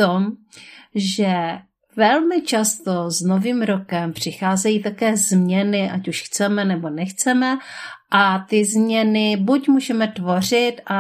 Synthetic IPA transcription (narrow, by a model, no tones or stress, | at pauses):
t̪om | ʒɛ | vɛlmɪt͡ʃast̪oznoviːmɾokɛmpr̝̥ɪxaːzɛjiːt̪akɛːzmɲɛnɪʔacuʃxt͡sɛmɛnɛbo̞nɛxt͡sɛmɛʔat̪ɪzmɲɛnɪbucmuːʒɛmɛt̪vo̞r̝ɪt̪ʔa